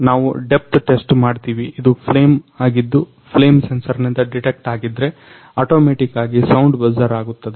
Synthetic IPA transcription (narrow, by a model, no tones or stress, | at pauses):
naːʋuɖe̞p̚t̪ʈesʈmaːɖt̪iːʋiid̪upʰle̞ːmaːɡid̪ːu | pʰle̞ːmsensɐɾnind̪ɐɖiʈek̚ʈaːɡid̪ɾe̞ | aːʈo̞ːmeːʈikːaːɡisɐwɳɖbɐzɐɾaːɡut̪ːɐd̪e